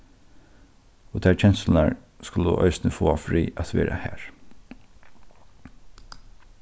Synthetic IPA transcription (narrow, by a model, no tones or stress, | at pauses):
od̪ʰæːt͡ʃʰɛnsl̩næɹ | skʊləʔœ̰ʏsnəfoːafɹiːʔat̪ʋeːɾʔahæːɹ